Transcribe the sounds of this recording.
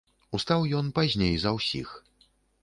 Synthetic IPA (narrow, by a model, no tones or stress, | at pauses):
ust̪awjɔnpazʲnʲejzɐwsʲḭx